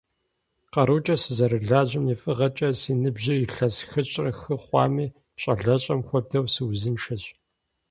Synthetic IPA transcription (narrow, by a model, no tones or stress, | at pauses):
qɐɾuːt͡ʃʼɐsɨzɐɾɨɮaːʑɪmifʼɨʁɐt͡ʃʼɐsiːnɨbʑɪiɬɐsxɨɕʼrɐxɨχʷɑ̰ːmiː | ɕʼɐɮɐɕʼɐmxʷɔdʰɐwsɨwzɨnʂɐɕʼ